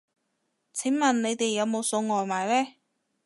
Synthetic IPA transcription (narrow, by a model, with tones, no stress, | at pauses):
t͡sʰɪ˨˥ŋmɐ˨nne˨˧jt̪e˨jːɐ˨˧wmo˨˧wso˧wŋɔː˨jmaː˨jlɛː˥